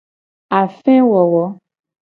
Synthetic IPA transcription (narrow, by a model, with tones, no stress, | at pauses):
a˨fɛ̃˦wɔ˨wɔ˨˦